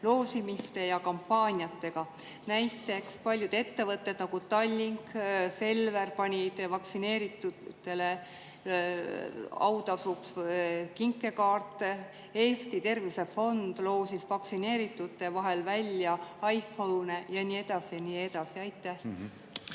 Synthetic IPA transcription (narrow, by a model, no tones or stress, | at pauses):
lo̞ːsimist̪e̞jɑkɑmpːɑːnʲjɑt̪ːe̞ɡ̥ɑ | næjt̪ːˑe̞kspɑlʲjud̪̥e̞t̪ːe̞vɤt̪ːe̞d̪̥nɑɡ̥ut̪ɑlʲːiŋkse̞lve̞rpɑnʲid̪̥vɑksine̞ːɾit̪ːut̪ːˑe̞le | ɑ̰wd̪ɑsukskiŋkːˑe̞kɑːrt̪ːˑe | e̞ːst̪it̪e̞rvise̞fo̞nd̪̥lo̞ːsisvɑksine̞ːɾit̪ːˑut̪ːˑe̞vɑɦe̞lvælʲjɑɑjfownejɑnie̞d̪̥ɑsiɑniːe̞d̪̥ɑsiɑjt̪ːˑæh